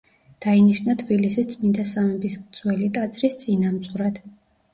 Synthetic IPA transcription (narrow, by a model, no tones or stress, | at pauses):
d̪̥ainiʃnat̪ʰbilisist̪sʼmind̪asamɛbist̪sʼwɛlit̪ʼat̪sʼɾist̪sʼinamsʼʁɾad̪̥